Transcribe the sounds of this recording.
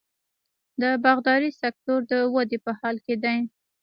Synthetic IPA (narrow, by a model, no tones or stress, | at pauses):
d̪əbaɣd̪ɑɾisak̚t̪oɾd̪əwad̪epəhɑlked̪aj